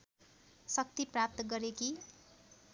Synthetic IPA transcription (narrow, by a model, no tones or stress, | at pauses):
sʌk̚t̪iprap̚t̪ʌɡʌɾeki